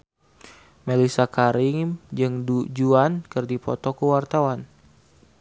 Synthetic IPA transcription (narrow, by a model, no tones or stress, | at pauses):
melisakaɾiŋd͡ʒɨŋdud͡ʒuankɨrdipɔ̰t̪ɔkuwart̪awan